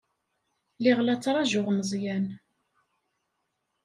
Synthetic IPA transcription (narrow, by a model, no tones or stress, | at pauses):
lɪʁlæt͡sːɾˤɑʒʊʁməzˤjæn